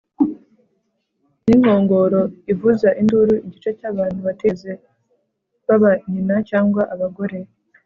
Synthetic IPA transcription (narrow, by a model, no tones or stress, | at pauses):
niŋ̥ho̞ːŋɡo̞ɾo̞ivuzaʔinduɾuiɟit͡ʃecaːβaːn̥huβate̞ze̞ | βaβaiɲinacaːŋɡwaʔaβaɡo̞ɾe̞